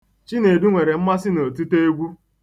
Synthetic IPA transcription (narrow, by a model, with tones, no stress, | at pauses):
t͡ʃi˦ne˨du˦ŋʷe˨ɾe˨m̩˦ma˦sɪ˦no˨tu˦te˦e˦ɡʷu˦